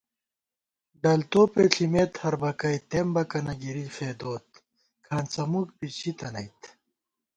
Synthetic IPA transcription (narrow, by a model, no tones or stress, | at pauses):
ɖɐlt̪oːpeɬʰimeːt̪hɐɾbɐkɐjt̪embɐkɐnɐɡiɾifeːd̪oːt̪ | kʰaːnt͡sɐmuk̚pit͡ɕʰit̪ɐnɐit̪